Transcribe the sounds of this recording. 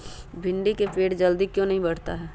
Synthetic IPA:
bʱɪ̃ɳɖikepeːʈd͡ʒɐld̪ikjõːnɐɦĩbɐɽ̤t̪a̰ɦɛː

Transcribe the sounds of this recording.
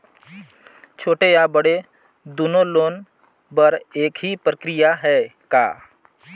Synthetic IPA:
t͡ʃʰoːʈejabəɽe | d̪uːnoloːn | bəɾeːkɦipɾəkɾɪjaɦɛːka̰ː

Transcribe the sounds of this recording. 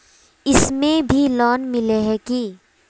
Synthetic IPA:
ɪsmẽbʱilɔːnmɪleɦɛki

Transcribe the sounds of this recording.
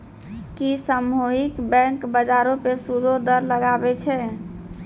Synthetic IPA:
kisəmuɦikbɛ̃ŋkbəd͡ʒaɾõpesud̪ʱod̪əɾləɡabɛt͡ʃʰɛ

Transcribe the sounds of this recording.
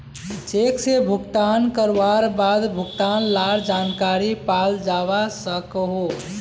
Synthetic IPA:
t͡ʃeksebʱuɡt̪ankəɾʋaɾbad̪bʱuɡt̪anlaɾd͡ʒankaɾipald͡ʒaβasəkɦo

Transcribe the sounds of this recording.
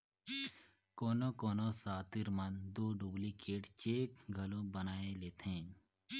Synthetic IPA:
koːnokoːnosaːt̪ɪɾmənd̪oːɖuːblikeːʈt͡ʃeːkɡʱəlõbənaːeleːt̪ẽː

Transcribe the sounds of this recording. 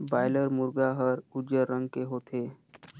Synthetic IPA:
baːɪləɾmʊɾɡaɦəɾʊd͡ʒəɾːə̃ŋɡkeɦoːt̪ʰeː

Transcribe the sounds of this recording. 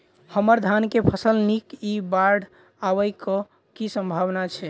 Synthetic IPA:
həməɾd̪ʱankepʰəsəlnikibaɾɖʱ | aʋəjkɔ | kisə̃mbʱaʋnat͡ʃʰɛ

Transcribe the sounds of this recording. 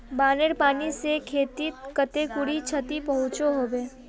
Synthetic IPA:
baːneɾpaːnisekʰeːt̪it̪kət̪ekʊɽit͡ʃʰət̪ipɐɦʊ̃t͡ʃoɦoːbeː

